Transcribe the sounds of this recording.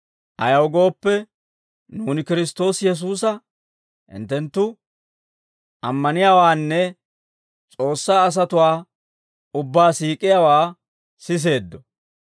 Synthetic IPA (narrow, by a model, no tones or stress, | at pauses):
ʔɐjɐwɡo̞ːpːɛ | nuːnɪkɪɾɪst̪o̞ːsjɛs̬uːsɐ | hɪ̰nt̪ːɛnt̪ːʊ | ʔɐmːɐnɪjaːwaːnːɛ | t͡sʼo̞ːsːaːs̬ɐt̪ʊwaː | ʊbːaːsiːkʼɪjaːwaː | sɪs̬e̞ːd̪ːɔ